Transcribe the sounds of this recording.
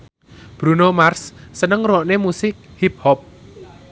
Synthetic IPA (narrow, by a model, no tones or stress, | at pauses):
b̥ɾunomarsːənəŋrɔʔnemusɪk̚hip̚hɔp̚